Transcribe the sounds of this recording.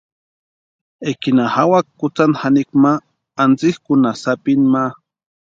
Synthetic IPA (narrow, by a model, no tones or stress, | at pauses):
ekinahawakkːʊt͡sanxanikmaː | nt͡sixkʊnasapinma